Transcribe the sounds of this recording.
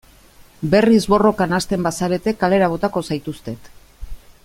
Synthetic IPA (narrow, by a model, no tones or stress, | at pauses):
be̞rizβo̞ro̞kanast̪e̞mbasaɾe̞t̪e̞kale̞ɾaβ̞o̞t̪ako̞sajt̪ust̪e̞t̪